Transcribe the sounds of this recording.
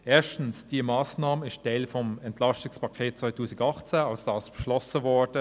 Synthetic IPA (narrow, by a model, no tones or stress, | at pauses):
ʔeːɐʃtən̩sd̥iːəmɑːsnɑːməɪʃtd̥ɛlfɔmɛntlɑstɪŋspɑkʰeːt̚t͡svaɪtʰuːsɪɡɑχt͡sɛːɑlsd̥ɑːsb̥əʃlɔsəvɔɹd̥ə